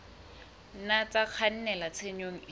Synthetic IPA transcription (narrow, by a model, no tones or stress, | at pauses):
nat͡saq͡χʰan̩nɛlat͡sʰeɲoŋ̩